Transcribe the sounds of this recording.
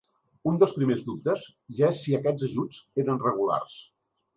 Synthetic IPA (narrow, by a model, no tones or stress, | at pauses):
und̪əlˠspɾimezðup̚t̪əz | ʒaesːiəkɛd͡zəʒud͡zeɾənrəɣ̞ula̰rs